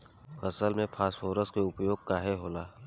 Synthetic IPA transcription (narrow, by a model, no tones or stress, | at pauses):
fʰɐsəlmẽpʰaːsfoːɾəskeʊpjoːɡ̚kaːɦeɦoːlaː